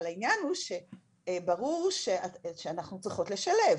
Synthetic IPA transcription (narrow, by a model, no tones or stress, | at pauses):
lainjanhuʃe | baʁuʁʃeaʃeanaχnut͡sʁiχo̞tle̞ʃale̞v